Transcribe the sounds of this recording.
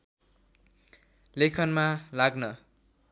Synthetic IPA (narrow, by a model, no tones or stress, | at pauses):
lekʰʌnmalaɡnʌ